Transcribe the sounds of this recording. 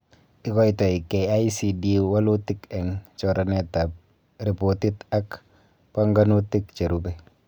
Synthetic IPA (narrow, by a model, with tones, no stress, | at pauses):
ɪ˦kɔ˦itɔ˨ikɛ˨ajsidiwa˦lutikɛ˨ŋt͡ʃɔ˨ɾanɛ˨tap̚ | ɾi˨po˨ti˦tak | pa˦ŋɡanu˦tikt͡ʃe˨ɾubɛ